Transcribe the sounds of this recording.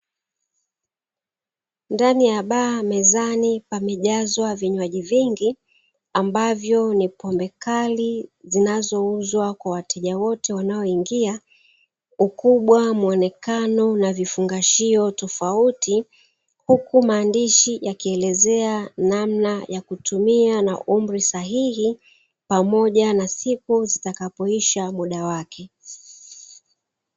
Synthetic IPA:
ndanijaɓaːmɛzanipamɛʄazwaviɲwaʄiviŋɡi | ambavjɔnipɔmbɛkalizinazɔuzwakwawatʰɛʄawɔtɛwanaɔiŋɡia | ukuɓwamuɔnɛkanɔnavifuŋɡaʃiɔtɔfauti | hukumaːndiʃijakiɛlɛzɛanamnajakutumiana̰ʔum̩ɾisaɦihi | pamɔʄanasikuzitakapɔiʃamuɗawakʰɛ

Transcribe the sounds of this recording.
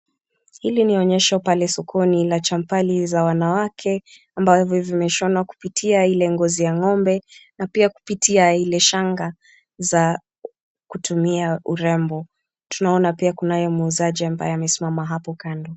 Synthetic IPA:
hiliniɔɲɛʃapalɛsɔkʰɔnilat͡ʃam̩palizawanawakʰɛ | ambavjɔvimɛʃɔnwaku̥pitʰiailɛŋɡɔzijaŋɔmbɛnapiaku̥pitʰiailɛʃaŋɡa | za | kutʰumiauɾɛmbɔ | tunaɔnapiakunajɔmuːzaʄiamba̰jɛamɛsimamaɦapɔkandɔ

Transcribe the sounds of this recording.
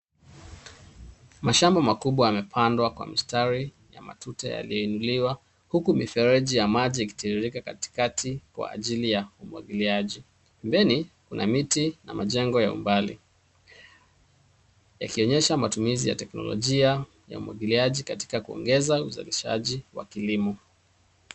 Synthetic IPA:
maʃambɔmakuɓwajamɛpʰandwakwa̰mistaɾi | ja̰ma̰tutɛ̰ja̰lijɔinuliwa | hukumifɛɾɛʄijamaʄiːki̥tiɾiɾikakati̥katʰikwa̰ːʄilijaumwa̰ɡiliaʄi | pɛmbɛnikunʔamitina̰maʄɛŋɡɔjaṵmbalḭ | ja̰kiɔɲɛʃamatumizija̰tɛknɔ̰lɔ̰ʄia | ja̰umwa̰ɠiliaʄikati̥kakuɔ̰ŋɡɛzauza̰liʃa̰ʄiwa̰kilimɔ

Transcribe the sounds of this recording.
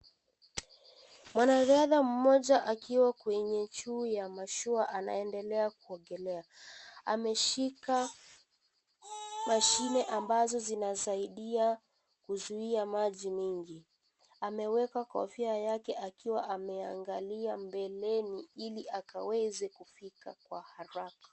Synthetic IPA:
mwanaɾaðam̩mɔʄaʔakiwakwɛɲɛt͡ʃuːjamaʃuaʔana̰ɛndɛlɛakuɔŋɡɛlɛaamɛʃika | maʃinɛʔambazɔzinazaiɗia | kuzuiamaʄimiŋɡi | amɛwɛkaka̰ɔfiajakɛakiwaʔamɛaŋɡaliambɛlɛniiliʔakawɛzɛkufika̰kwahaɾakḁ

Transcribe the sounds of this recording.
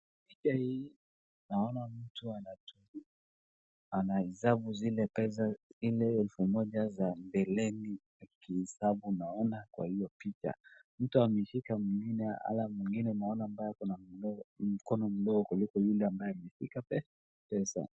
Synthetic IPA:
pit͡ʃahi | naɔnam̩tuanatui | anaizaɓuzilɛpɛs̬azilɛɛlfumɔʄazambɛlɛnijakihɛsaɓunaɔnakwa̰hijɔpit͡ʃa̰ | m̩tuamɛʃikamiŋɡinɛa̰lamwiŋɡinɛnaɔnambajakɔnaɔm̩kɔnɔm̩lɔɡɔkulikɔjulɛambajɛamɛʃikapɛs | pɛsa̰

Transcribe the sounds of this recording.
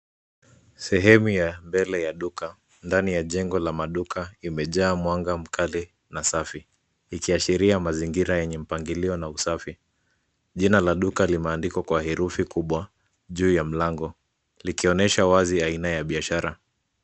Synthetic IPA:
sɛɦɛmujambɛlɛjaɗuka | ndanijaʄɛŋɡɔlamaɗukʰaimɛʄaːmwaŋɡam̩kʰali | nasafiː | kiaʃiɾiamaziŋɡiɾajɛɲɛm̩paŋɡiliɔnausafi | ʄinalaɗukalimɛaːndikwakwahɛɾufikuɓwa | ʄuːjam̩laŋɡɔ | likiɔnɛʃawaziainajaɓiaʃaɾa

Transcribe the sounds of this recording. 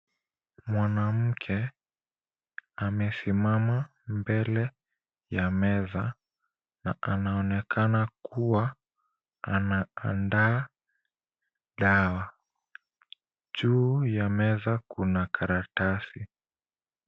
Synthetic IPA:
mwanam̩kʰɛ | amɛsimama | mbɛlɛ | jamɛza | na̰ʔanaɔnɛkʰanakuwa | anaa̰ndaː | ɗawa | ʄuːjamɛzakunakʰaɾatasi

